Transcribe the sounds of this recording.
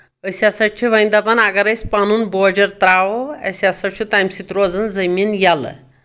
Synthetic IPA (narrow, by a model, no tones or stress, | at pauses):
əsasaʈt͡ʃʰeʋəjnd̪apanaɡaɾəjspanuːnbɔd͡ʑəɾt̪ɾaʋoə̰sasaʈt͡ʃʰut̪ajmsit̪ɾod͡zənd͡zəmiːnjalə̰